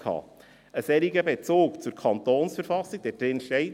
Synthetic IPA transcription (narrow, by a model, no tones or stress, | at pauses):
ɑ̰ː | əsɛɾiɡəbet͡soːkt͡suɾkʰɑntoːnsfəɾfɑsiɡ̚d̥ɛd̥ɾɪnʃtɛɪ